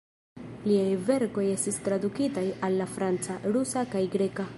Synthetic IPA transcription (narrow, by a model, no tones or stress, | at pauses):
liajve̞ɾko̞je̞stistɾadukitajalːafɾant͡saɾusakajɡɾe̞ka